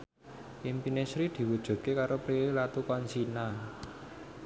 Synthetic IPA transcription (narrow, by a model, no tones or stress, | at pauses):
ʔimpinesɾid̪̥i̤wud̥ʒ̥ṳt̪̚kekaɾopɾilat̪ukɔnsina